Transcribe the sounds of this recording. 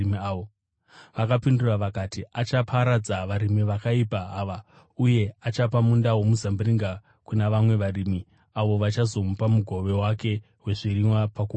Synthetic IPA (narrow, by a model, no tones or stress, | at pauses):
o | ʋakapinduraʋakatiat͡ʃapʰaɾad͡zaʋaɾimiʋakaipaɦaʋa | uje̞at͡ʃapamundawo̞muzambuɾiŋɡa | kunaʋamwe̞ʋaɾimi | aʋo̞ʋat͡ʃazo̞mupamuɡʱo̞ʋe̞wake̞ | ɦwe̞ʐiɾimwapaku